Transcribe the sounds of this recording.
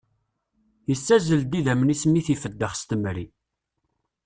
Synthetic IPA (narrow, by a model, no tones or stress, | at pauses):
jəsːæzəld̪iðæmnismiθifəd̪ːəχst̪əmɾi